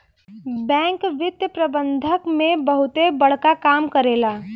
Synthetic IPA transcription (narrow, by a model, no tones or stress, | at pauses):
bɛ̃ːŋkʋɪt̪jəpɾəbə̃nd̪ʱəkmẽbəɦʊt̪ebəɽ̤kakaːmkəɾeːlaː